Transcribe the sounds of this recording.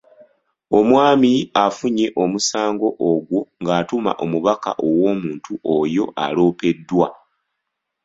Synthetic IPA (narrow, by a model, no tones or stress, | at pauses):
o̞mwaːmiafuɲe̞ʔo̞musaːŋɡo̞ʔoɡwo̞ŋɡaːtuma̰ʔo̞muβaka̰ʔo̞wo̞ːmuːntuʔojo̞ʔa̰lo̞ːpe̞dːwa